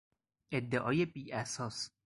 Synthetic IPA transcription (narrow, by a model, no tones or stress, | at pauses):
ʔed̪ːeʔɒ̰ːjebiːʔæsɒːs